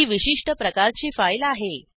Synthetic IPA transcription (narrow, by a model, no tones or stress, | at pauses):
iːʋiɕiʂʈəpɾəkaɾt͡ɕiːfajlaɦe